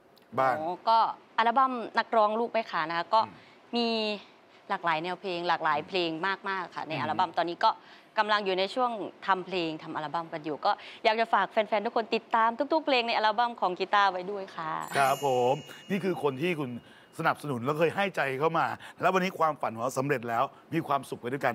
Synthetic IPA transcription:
baː˥˧˩kɔː˥˩ʔaː˧la˦˥˩ba˧˥˩mna˦˥k̚ɾɔː˧ŋluː˥˩k̚ma˦˥˩jkʰa˧˩na˦˥kʰa˦˥kɔː˥˩ | miː˧ | laː˨˩k̚laː˩˦jnɛː˧wpʰleː˧ŋlaː˨˩k̚laː˩˦jpʰleː˧ŋmaː˥˩k̚maː˥˩kʰːa̰˥˩na˧jʔa˧la˧˩ba˧˩˨mt̪ɔː˧nːiː˦˥kɔː˥˩ | ka˧mla˧ŋjuː˨˩na˧jt͡ɕʰu˥˩əŋt̪ʰa˧mpʰleː˧ŋt̪ʰa˧mʔa˧la˧˥ba˧˩˨mpɾa˧juː˨˩kɔː˥˩jaː˨˩k̚t͡ɕa˨˩faː˨˩k̚fɛː˧nfɛː˧nt̪u˥kʰnt̪i˨˩t̪ːaː˧mt̪ʰu˥t̪u˦˥k̚pʰleː˧ŋna˧jʔa˧laː˧ba˧˩mkʰɔː˩˦ŋkiː˧˩t̪aː˥˩wa˧jdu˥˩əjkʰa˥˩kʰɾa˦˥pʰːo˨˩˦mniː˥˩kʰɯː˧kʰo˧nt̪ʰiː˥˩kʰu˧n | sa˧na˨˩p̚sa˧nu˨˩˦nlɛː˦˥wkʰɤː˧jɦa˥˩jt͡ɕa˧jkʰa˥˩wmaː˧lɛ˦˥wa˧nːiː˦˥kʰwaː˧mfa˨˦nhu˨˩a˦˥wsa˩˦mɾe˨˩t̪̚lɛː˦˥w | miː˧kʰwaː˧msu˨k̚a˧du˥˩ka˧n

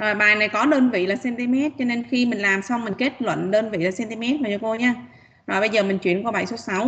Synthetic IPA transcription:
ʔəː˨˩ɓaː˨˩jna˨˩jkɔ˨˦ɗəː˧nvḭ˧˨laː˨˩sɛ˧nt̪i˧mɛ˦˥t̚t͡ɕɔ˧ne˧nxi˧mï˨˩ŋ̟laː˨˩msa˧wŋ͡mmï˨˩ŋ̟ke˦˥t̚lwə̰˧˨nɗəː˧nvḭ˧˨laː˨˩sɛ˧nt̪i˧mɛ˦˥t̚laː˨˩t͡ɕɔ˧ko˧ɲaː˧ | ʔɔ˨˩jɓə˧jzəː˨˩mï˨˩ŋ̟t͡ɕwḭ˧˨ənko˨˧ɓa̰˧˩˨jso˨˦sa˨˦w

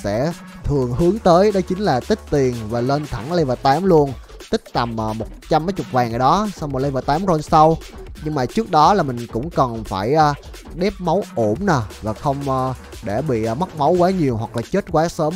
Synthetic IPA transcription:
sɛ̰˧˥ | t̪ʰɨ˨˩əŋɦɨ˨˦əŋt̪əː˨˦jɗə˨˦jt͡ɕï˨˦ŋ̟laː˨˩t̪ï˦˥k̟̚t̪i˨˩ənvaː˨˩lə˧nt̪ʰa˧˩ŋlə˧jvaː˨˩t̪aː˨˦mlu˧ən | t̪ï˦˥k̟̚t̪a˨˩mʔəː˨˩mo˨˩t̚t͡ɕa˧mə˨˦jt͡ɕʊ˨˩k͡p̚vaː˨˩ŋʔaː˨˩ɗɔ˨˦sa˧wmo˨˩lə˧jvaː˨˩t̪aː˨˦mɾo˧nsa˧w | ɲɨ˧ŋmaː˨˩t͡ɕɨ˦˥ək̚ɗɔ˨˦laː˨˩mï˨˩ŋ̟kʊ̰˧˥ŋ͡mkə˨˩nfaː˧˩jʔəː˧ | ɗɛ˦˥p̚mə˨˦wʔo˧˩mnaː˨˩vaː˨˩xə˧wŋ͡mʔəː˧ | ɗe˧˩ɓḭ˧˨˧mə˦˥k̚mə˨˦wkwaː˨˦ɲi˨˩əwɦwa˨˩k̚laː˨˩t͡ɕe˦˥t̚kwaː˨˦səː˨˦m

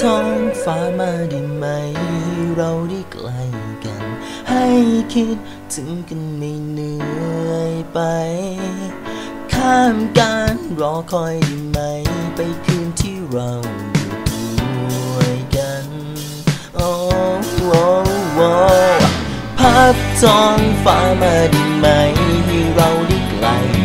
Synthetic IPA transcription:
t̪ʰɔ˧ŋfaː˧˥maː˧diː˧ma˧jɾa˧wdi˧˩klaː˧jka̰˧˩n | ha˥˧˩jkʰi˧˥t̪̚ | tɯ˨˦ŋkɯ˧nmi˧jnɯ˧əjpa˧j | kʰaː˧˩mka˧nɾɔː˧˦kʰɔ˧jdiː˨˧ma˧jpa˧jkʰɯː˧nt̪ʰiː˧˥˩ɾa˧w | du˨˩˧ | əjka˧n | ʔo˧wo˧˥wɔ˧ | pʰa˦˥p̚sɔː˧˥ŋfaː˧˥maː˧˩diː˧˩ma˧jt̪ʰi˧ɾa˧wli˧˩kla̰˧˩j

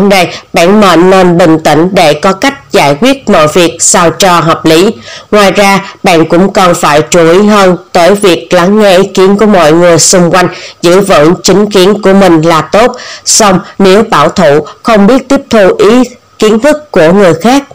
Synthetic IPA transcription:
na˧˩jɓa̰ː˧˨nmə̰˧˨nːe˧nɓï˨˩ŋ̟t̪ḭ̈˧˩ŋ̟ɗe˧˩kɔ˨˦ka˦˥jk̟̚zaː˧˩jkwi˦˥ət̚mɔ̰˧˨jvi˨˩ək̚sa˧wt͡ɕɔ˧˩ɦɔ˨˩k͡p̚li˨˦ŋwaː˨˩jzaː˧ɓa̰ː˧˨nkʊ̰˧˥ŋ͡mkɔ˨˩nfaː˧˩jt͡ɕu˧˩ʔi˨˦ɦəː˧nt̪əː˨˦jvi˨˩ək̚la˨˦ŋːɛ˧ʔi˨˦ki˨˦ənku˧˩əmɔ̰˧˨jŋɨ˨˩əjsʊ˧ŋ͡mkwa˧jŋ̟zɨ̰˧˨vɨ̰˧˨ŋt͡ɕï˨˦ŋ̟ki˨˦ənku˧˩əmï˨˩ŋ̟laː˨˩t̪o˦˥t̚sa˧wŋ͡mne˨˦wɓa̰ː˧˩wt̪ʰṵ˧˨xə˧wŋ͡mɓi˦˥ət̚t̪i˦˥əp̚t̪ʰu˧ʔi˨˦ | ki˨˦ənt̪ʰɨ˦˥kːu˧˩əŋɨ˨˩əjxaː˦˥k̚

